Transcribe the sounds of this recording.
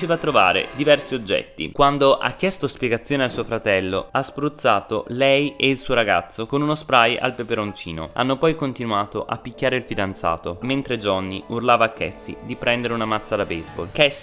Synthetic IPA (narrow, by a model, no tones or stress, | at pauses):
eːvat̪ːɾova̰ːɾḛd̪ivɛrsiod͡ʒːɛ̰t̪ːḭkwand̪oʔa̰kːjɛst̪ospjeɡat̪sːjoːnealsuːofɾat̪ɛlːo̰aspɾut̪sːaːt̪olɛjeilsuːoɾaɡa̰t̪sːokonunospɾaja̰lpepeɾont͡ʃḭːno̰a̰nːopɔjkont̪inuaːt̪oʔapːikʲːaːɾeilfid̪ant̪sa̰ːt̪oment̪ɾed͡ʒɔnːiurlaːvaːkːɛ̰sːḭd̪ipɾɛnd̪eɾeunamat̪sːad̪abɛzbo̰lkɛs